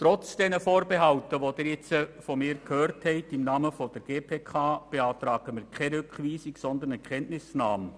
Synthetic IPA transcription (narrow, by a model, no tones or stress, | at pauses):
tɾɔt͡sd̥ɛnəfoːɾbeɦɑwtəʋod̥̪ɪːɾjɛt͡səfɔmɪːɾkhøːɾthɛɪtɪmnɑːməfɔd̥əɾɡ̥eːpʰeːkʰɑːb̥eɑːt̪ɾɑːɡ̥əmɪːɾkʰɛɾʏkχʋiːsɪksɔnd̪ənɛkʰɛntnɪsnɑːm